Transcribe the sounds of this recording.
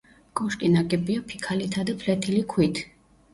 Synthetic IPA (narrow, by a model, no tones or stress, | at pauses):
kʼɔʃkʼinaɡɛbiapʰikʰalit̪ʰad̪apʰlɛt̪ʰilikʰwit̪ʰ